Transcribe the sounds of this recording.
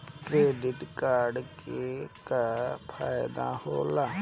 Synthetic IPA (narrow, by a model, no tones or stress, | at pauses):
kɾeːɖɪʈkaːɾɖkekapʰaːjd̪a̰ːhoːlaː